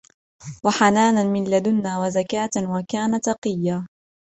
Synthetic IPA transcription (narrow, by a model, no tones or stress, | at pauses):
waħanaːnamɪnlad̪ʊnːaːwazakaːt̪wakaːnat̪ɑqɨjːaː